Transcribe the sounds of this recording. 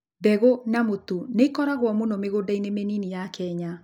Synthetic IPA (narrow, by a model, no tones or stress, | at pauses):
bɛɣonamotoneikɔɾaɣwɔmonɔmeɣodainemeninijakɛɲa